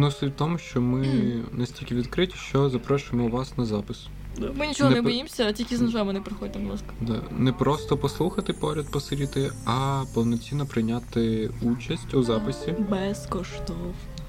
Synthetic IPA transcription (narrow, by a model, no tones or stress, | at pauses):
nʊsut̪ɔmʊʃt͡ʃɔmɪnɛsʲtʲilʲkʲɪʋʲid̪kɾɪtʲi̥ʃt͡ʃɔzɐpɾɔʃʊɪmɔuʋɑsnɐzɑpɪs | d̪mɪnʲit͡ʃɔɦnɛnɛbɔjimsʲɐtʲilʲkʲiznɐʒɛmɐnɛpɾɪxɔdʲɪt̪ɪb̪ˠɐskɐ̥d̪ɑnɛpɾɔst̪ɔpɔslˠuxɐt̪ɪpɔɾʲɐd̪pɔsɪɾʲit̪ɪɐpɔwnɔt͡sʲinːɔpɾɪjnʲat̪ɪut͡ʃɐsʲtʲuzɑpɪsʲibɛskɔʃt̪ɔw